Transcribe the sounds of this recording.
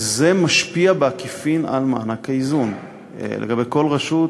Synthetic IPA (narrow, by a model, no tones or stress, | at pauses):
ze̞maʃpiabeakifina̰lma̰ːnakaizun̰ | lḛɡabe̞jko̞lʁaʃut